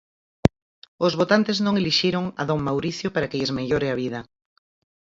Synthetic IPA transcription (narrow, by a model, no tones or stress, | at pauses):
ozβot̪ant̪eznõŋeliʃiɾoŋɐ̰ðoŋmawɾiθjopaɾakeezmeʎoɾeaβ̞iðɐ